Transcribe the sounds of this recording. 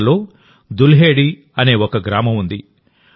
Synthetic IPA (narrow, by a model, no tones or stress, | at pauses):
lo̞ː | d̪ulɦe̞ːɽi | ɐne̞ːɔkɐɡɾaːmɐmund̪i